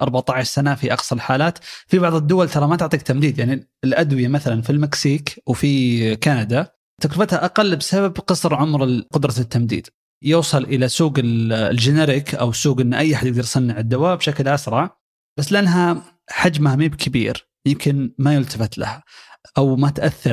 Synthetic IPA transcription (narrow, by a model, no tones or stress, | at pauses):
ʔɑɾˤbaʕt̪ˤɑʕɪʃsanafiʔɑqsˤɑlħaːlaːt̪fibɑʕðˤɨd̪ːʊwalt̪ɑɾˤɑmat̪ʊʕt̪ˤiːk̚t̪amd̪iːd̪jaʕni | ɪlʔad̪wɪjamaθalanfilmɪksiːkwfikanad̪a | t̪akɾfat̪haʔaqalːbsababqɨsˤɾʕʊmɾɪqʊd̪ɾˤɑt̪ːamd̪ḭːd̪̥ | jʊwsˤɨlʔɪlasuːɡɪlld͡ʒɪnaɾɪkʔa̰wsːuːɡʔɪnːʔajːaħad̪jɪɡ̚d̪ɑɾjsˤɑnːɪʕɪd̪ːawaːbʃaklʔasɾˤɑʕ | b̥asːlɪʔanːɦa | ħad͡ʒmahmiːbkʰabḭːɾ | jɪmkʰɪnmajʊlt̪afɪt̪la̰haʔawmat̪ʔaθːɑɾ